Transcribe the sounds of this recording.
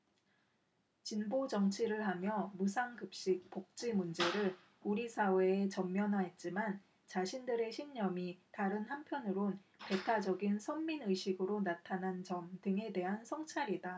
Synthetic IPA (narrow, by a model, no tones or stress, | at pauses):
t͡ɕinbod͡ʑʌŋt͡ɕʰiɾɯɭɦamjʌmusʰaŋɡɯp̚ɕ͈ik̚pok̚t͡ɕ͈imund͡ʑe̞ɾɯɭ | uɾisʰawe̞ːt͡ɕʌmːjʌnɦaɦe̞t̚t͡ɕ͈iman | t͡ɕaɕʰindɯɾe̞ɕʰiŋɲʌmitaɾɯnhampʰjʌnɯɾonpe̞tʰad͡ʑʌɡinsʰʌmminɯjɕʰiɡɯɾonatʰanant͡ɕʌmdɯŋe̞de̞ɦansʰʌŋt͡ɕʰaɾida